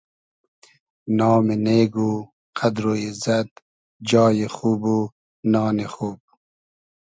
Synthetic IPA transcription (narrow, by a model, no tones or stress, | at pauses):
nɑːmeneːɡu | qʰad̪ɾojezad̪ | d͡ʒɑːjeχuːbu | nɑːneχuːb̚